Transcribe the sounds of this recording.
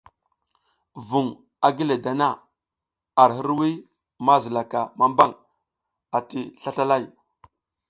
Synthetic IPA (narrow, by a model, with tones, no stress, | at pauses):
vu˨ŋ | a˨ɡi˦le˨da˨na˦˨ | a˨ɾɦə˦ɾwi˦ | ma˦zi˨la˨ka˨ma˦mba˦ŋ | a˨ti˦ɬa˦ɬa˦la˦˨j